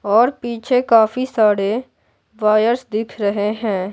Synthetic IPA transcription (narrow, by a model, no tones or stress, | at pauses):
ɔːɾpiːt͡ʃʰekaːfisaːɽe | ʋaːjəɾsd̪ɪkʰɾɐɦeɦɛ̃ː